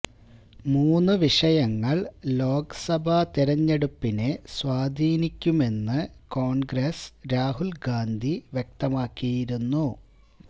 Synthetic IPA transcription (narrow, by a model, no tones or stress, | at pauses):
muːnːɨʋiʂɐjɐŋːɐɭlo̞ːkɐ̥sɐbʱɐt̪iɾɐɲːeɽupːineswaːd̪ʱiːnikʲːume̞nːɨko̞ːɳɡresɾaːɦulɡaːnd̪ʱiʋjek̚t̪ɐmaːkːijiɾunːu